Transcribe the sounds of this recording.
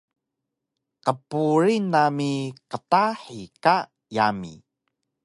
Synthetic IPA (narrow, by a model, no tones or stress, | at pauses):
qəpuɾinamiqətaħika | jamḭ